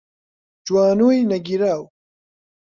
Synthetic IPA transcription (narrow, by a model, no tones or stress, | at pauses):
d͡ʒwaːnuːjnɐɡiɾaːw